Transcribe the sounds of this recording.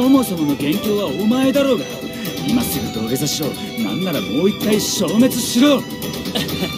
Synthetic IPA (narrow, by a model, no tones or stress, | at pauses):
o̞mo̞so̞mo̞no̞ɡẽ̞ŋkʲo̞ːβaomae̞d̪aɾo̞ːɡa | masɨɡit̪oːɾezaɕo̰ː | nã̰nːaɾamo̞ːit̪ːaiɕo̞ːme̞t͡sɨɕiɾoːn